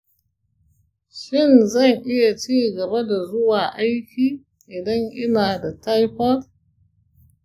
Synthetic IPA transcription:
ʃɪ˦˨nzɐ˦˨ŋʔɪ˦ja˨t͡ʃiː˦ɡɐ˨ba˦da˨zʊ˦waː˨ʔa˦jkʲiː˨ | ʔɪ˨dɐ˦ŋʔɪ˦naː˨da˨ta˦jɸɐ˦l

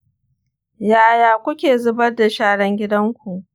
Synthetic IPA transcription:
jaː˦jaː˨kʷʊ˦kʲeː˨zʊ˦bɐ˦rda˨ʃaː˦ɽɐ˦ŋɡʲɪ˦dɐ˦ŋkʷu˨ʔ

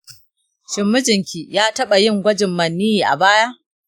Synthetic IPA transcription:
ʃɪ˨mːɪ˦d͡ʒɪ˨ŋkʲiː˨jaː˦tɐ˦ɓa˨jɪ˦˨ŋɡʷɐ˦d͡ʒɪ˨mːɐ˨nːi˦jiː˨ʔa̰˨baː˦jaː˦ʔ

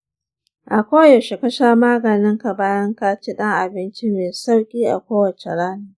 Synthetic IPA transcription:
ʔa˨kʷoː˦ja˨ʃɪ˨kɐ˦ʃaː˦maː˦ɡɐ˨nɪ˦ŋka˨baː˦jɐ˦ŋkaː˦t͡ʃe˦ɗɐ˦ŋʔa˨bɪ˦nt͡ʃɪ˦meː˨sa˦wkʲʼiː˦ʔa̰˨kʷoː˦wɐ˨t͡ʃe˨ɽaː˦nuː˨

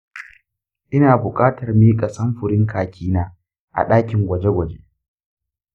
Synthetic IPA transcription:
ʔɪ˦naː˨bʊ˨kʼaː˦tɐ˨rmiː˦kʼɐ˨sɐ˦mɸʊ˨ɾɪ˦ŋkʰaː˨kʲiː˦naː˦ | ʔa̰˨ɗaː˦kʲɪ˨ŋɡʷɐ˨d͡ʒe˦ɡʷɐ˨d͡ʒe˦

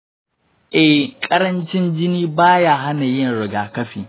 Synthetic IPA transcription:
ʔɛ˨kʼɐ˦ɾɐ˦nt͡ʃɪ˦nd͡ʒɪ˦niː˦baː˦jaː˦ɦa˦na˨jɪ˦˨nɽɪ˨ɡaː˨kɐ˦ɸḭː˨

